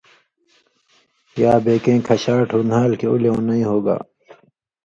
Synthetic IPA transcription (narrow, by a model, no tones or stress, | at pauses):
jaːbeːkẽːkʰɐɕaːʈʰunaːlkeuleõːnɐĩːɦoːɡa̰ː